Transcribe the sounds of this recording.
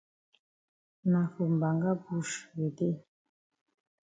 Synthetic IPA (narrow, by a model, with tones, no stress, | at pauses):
na˨fu˨m˨ba˨ŋɡa˦bu˦˨ʃβe˨d̪e˦